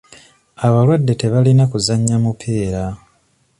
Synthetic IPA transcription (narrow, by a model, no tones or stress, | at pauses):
aβalwadːe̞te̞βalinakuzaɲːamupʰeːɾa